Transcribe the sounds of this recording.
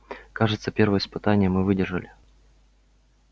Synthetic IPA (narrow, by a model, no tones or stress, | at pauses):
kaʐɨt̪səpʲerɾvəjəspɨt̪anʲɪjəmɨvɨdʲɪrʐəlʲɪ